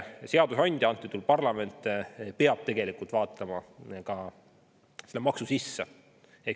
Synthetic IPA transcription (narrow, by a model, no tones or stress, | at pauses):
se̞ɑd̪usɑnʲd̪jɑnt̪ːˑit̪ulpɑrlɑme̞nt̪ːˑpe̞ɑb̥̚t̪e̞ɡ̥e̞likult̪vɑːt̪ˑːɑmɑkɑ | selːmɑksusisːe | ek